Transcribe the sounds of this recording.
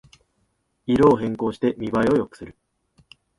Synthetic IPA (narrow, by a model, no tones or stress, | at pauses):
iɾo̞ːɦẽ̞ŋko̞ːɕi̥t̪e̞mʲibaio̞jo̞kɯ̥sɨɾɯ̟